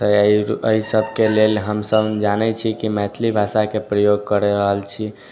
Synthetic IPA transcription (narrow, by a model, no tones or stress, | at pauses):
t̪əiəisəbʱkelelɦəmsəbd͡ʒanɛt͡ʃʰikimɛt̪ʰlibʱasakepɾəjoɡ̚kəɾeɾəɦəlt͡ʃʰi